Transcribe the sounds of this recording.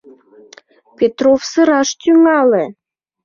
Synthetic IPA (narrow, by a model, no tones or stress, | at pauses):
pʲet̪rofsə̆ɾɑʃt̪yŋɑle